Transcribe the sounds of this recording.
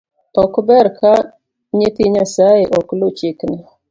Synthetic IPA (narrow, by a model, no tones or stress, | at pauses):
ɔkbɛɾkʰa | ɲetiɲasajeʔɔklot͡ʃɪkna